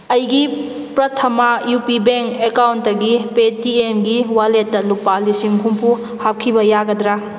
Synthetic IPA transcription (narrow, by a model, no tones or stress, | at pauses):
ɐjɡi | pɾɐtʰɐmajupibeŋkekawntːɐɡipetiemɡiwaletːɐlupalisiŋɦumpʰu | hap̚kʰibɐjaɡɐdɾa